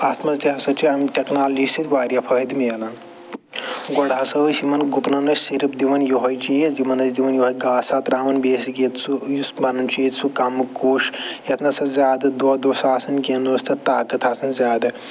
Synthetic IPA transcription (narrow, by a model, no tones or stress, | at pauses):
aːt̪ʰmɐzd̪iɦɐsɐt͡ʃiɐmʈʲeknaːld͡ʒist̪it̪ʲʋaːɾʲjapʰɐːd̪imjɐlɐn | ɡɔɽasɐʋɐjsimɐnɡupnɐnɐʃsiɾipd̪iʋɐnjoɦɐjt͡ʃijɐzimɐnɐsd̪iʋɐnjoɦɐjɡaːsaːt̪ɾaːʋɐnbeːsikjɐt̪sujusbɐnɐnt͡ʃiet̪sukamɨkoːʃjɐt̪nɐsɐzʲjaːd̪ɐd̪od̪osaːsɐnkenust̪ʰɐt̪aːkɐt̪ʰaːsɐnzʲjaːd̪ɐ